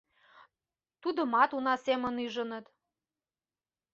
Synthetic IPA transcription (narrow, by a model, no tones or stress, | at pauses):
t̪ud̪ɤ̆mɑt̪unɑsemə̆nyʒə̆nə̆t̪